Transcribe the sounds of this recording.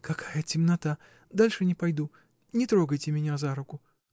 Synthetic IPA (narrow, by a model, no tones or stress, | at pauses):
kɐkʰajətʲɪmnɐt̪a | d̪alʲʂɨnʲɪpɐjd̪u | nʲɪt̪ɾo̞ɡəjtʲɪmʲɪnʲazaɾʊkʊ